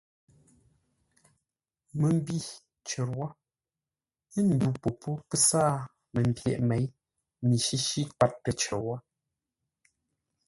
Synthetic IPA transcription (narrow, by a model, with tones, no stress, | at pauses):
mə˨m˦bi˦˨ | t͡ʃə˨ɾwɔ˦ | ə˦n̩˨du˨po˨pʰo˦kə˦saː˦˨ | mə˨m˨pjɛ̰˨ʔme˨˦j | mi˨ʃi˦ʃi˦ka˦˨tːə˨t͡ʃə˨wɔ˦